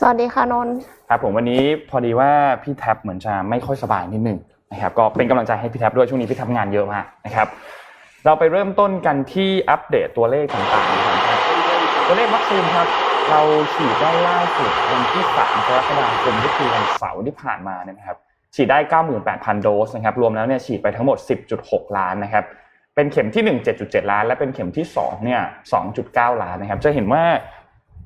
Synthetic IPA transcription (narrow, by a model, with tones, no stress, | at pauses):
sa˨a˨˩diː˧xʰaː˧˩no˧nkʰa˦˥pʰːo˩˦mwa˧nːiː˦˥pʰɔː˧diː˧waː˥˩pʰiː˥˩t̪ʰɛ˦˥p̚mɯ˩˦ənt͡ɕa˨˩ma˥˩jxʰɔ˥˩jsa˧baː˧jni˦˥t̪̚nɯ˨˩ŋ | na˦˥kʰa˦˥p̚kɔː˥˩pe˧nka˧mla˧ŋt͡ɕa˧jɦa˥˩jpʰiː˥t̪̚ʰdu˥˩t͡ɕʰu˥˩˨ni˦pʰi˥˩t̪ʰɛ˦˥ŋaː˧njɤ˦˥ʔmaː˥˩k̚na˦˥kʰa˦˥p̚ | ɾa˧wpa˧jɾɤː˥˩mt̪o˥˩nka˧nt̪ʰiː˥˩ʔa˦˥p̚deː˨˩t̪ːu˧ɐleː˥˩k̚t̪aː˨˩ŋt̪aː˨˩ŋa˦˥˩a˧˥˩na˦˥kʰa˦˥p̚t̪u˧ɐleː˥˩k̚wa˦˥k̚siː˧nkʰa˦˥p̚ɾa˧wt͡ɕʰiː˨˩t̪̚daː˥˩jlaː˥˩su˨˩t̪̚wa˧nt̪ʰiː˥˩sa̰ː˩˦mkʰa˧ɾa˦˥t̪̚ːa˧daː˧kʰo˧mji˦˥p̪ʰiː˧wa˧n˩sa̰˩˦wt̪ʰiː˥˩pʰaː˨˩nmaː˧ni˥˩ɐna˦kʰa˦˥p̚ | t͡ɕʰiː˨˩daː˥˩jkaː˥˩wmɯː˨˩npɛː˨˩t̪̚pʰa˧ndoː˦˥sna˦˥kʰp̚ɾu˧mlɛː˦˥wni˥ɐt͡ɕʰiː˨˩t̪̚pa˧jt̪ʰa˦ŋmo˨˩t̪̚si˨˩p̚t͡ɕu˨˩t̪̚ho˨˩k̚laː˦˥nːa˦˥kʰa˦˥p̚ː | e˧nkʰe˩˦mt̪ʰiː˥˩nɯ˨˩ŋt͡ɕe˨˩t̪̚t͡ɕu˨˩t̪̚t͡ɕe˨˩t̪̚laː˦˥nlɛ˦˥pe˧nkʰe˩˦mt̪ʰiː˥˩sɔ̰ː˩˦ŋni˥˩ɐsɔ̰ː˩˦ŋt͡ɕu˨˩t̪̚kaː˥˩wlaː˦˥nːa˦˥kʰa˦˥p̚t͡ɕa˨˩ɦe˩˦nwaː˥˩